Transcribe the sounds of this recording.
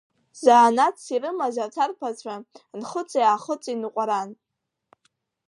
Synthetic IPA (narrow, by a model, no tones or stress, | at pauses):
zaːnat͡sʰsirɨmazatʰarpʰat͡ɕʷʰanχət͡sʼjaːχət͡sʼinqʷʼaɾan